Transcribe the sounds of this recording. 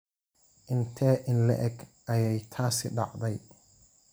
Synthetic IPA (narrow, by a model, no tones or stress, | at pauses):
ʔɪnt̪ʰɛːʔɪnlɛ̰ʔɛɡʔɐjɛjt̪ʰaːsɪ̰ɖɑ̰ʕd̪ɛj